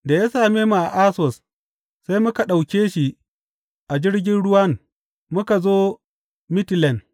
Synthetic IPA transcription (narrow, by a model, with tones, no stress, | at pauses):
da˨ja˦saː˨meː˦ma˨ʔa˨ʔa˦sɔ˨s | sa˦jmʊ˦ka˨ɗa˨wkʲeː˦ʃi˨ | ʔa˨d͡ʒɪ˦ɽɡʲɪ˦nɽʊ˦wɐ˦n | mʊ˦ka˨zoː˦ | mɪ˦tlɛ˨n